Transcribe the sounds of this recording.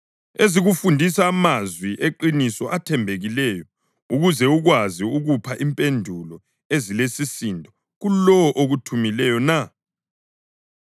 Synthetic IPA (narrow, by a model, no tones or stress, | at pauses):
eziɣufundʱisaːmazwiʔeǃinisɔʔatʰɛmbʱeɣilɛjɔ | uɣuzɛuɣwaziuɣupʰaʔimpʼendʱulɔ | ezilesisindʱʼɔ | ɣulɔʔoɣutʰumilɛjɔna